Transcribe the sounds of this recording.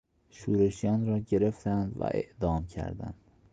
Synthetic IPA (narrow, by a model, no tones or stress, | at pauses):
ʃuːɾe̞ʃijɒːnrɒːɟe̞ɾe̞ft̪ʰænd̪væ̰ʔḛʔd̪ɒːmcʰæ̰ɾd̪æ̰nd̪̥